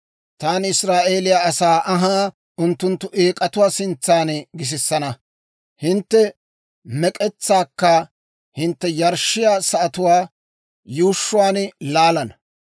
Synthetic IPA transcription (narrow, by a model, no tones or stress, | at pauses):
t̪aːnɪsɾaːʔe̞ːlɪjaːɐsaːʔɐɦaː | ʔʊnt̪ːʊnt̪ːʊʔeːkʼɐt̪ʊwaːsɪnt͡sːaːnɡɪs̬ɪsːɐnɐ | hɪnt̪ːɛ | mɛkʼɛt͡sːaːkːɐ | hɪnt̪ːɛjɐɾʃːɪjaːsɐʔɐt̪ʊwaː | juːʃːʊwaːnlaːlɐn